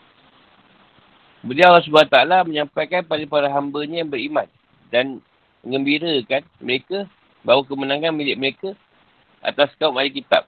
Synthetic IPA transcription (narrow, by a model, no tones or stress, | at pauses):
bəliawalɔs̬ubuat̪aalaməɲãmpajkanpadəpaɾaɦambəɲajaŋbəɾimãn | dan | məŋə̃mbiɾəkanməɾekə | bawak̬əmənãŋanmilɪʔ̚məɾeka | ʔa̰t̪askaumalikit̪a̰p̚